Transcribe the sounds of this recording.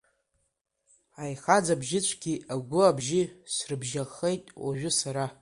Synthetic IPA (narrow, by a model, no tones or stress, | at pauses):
ajχad͡zabʒɪt͡ɕʷʰɡʲiaɡʷʊabʒɪsrɨbʒaχejtʼwaʒᶣʊsaɾa